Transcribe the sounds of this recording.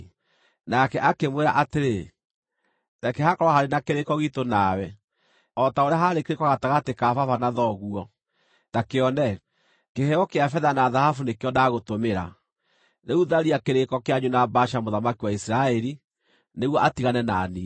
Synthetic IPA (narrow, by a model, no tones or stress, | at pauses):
nakɛʔakemweɾa̰ʔateɾe | nakɛhakɔɾɔhaɾenakeɾekɔɣitonawɛ | ɔtaoɾeaɦaɾekeɾekɔɣataɣatekafafanaðɔɣuɔ | nakeɔnɛ | kehɛɔkeafɛðanaðahafunekeɔnaːɣotomeɾa̰ | neuðaɾiakeɾekɔkeaɲunabaʃamoðamakiwaisɾaɛɾi | neɣwɔʔatiɣanɛnaːni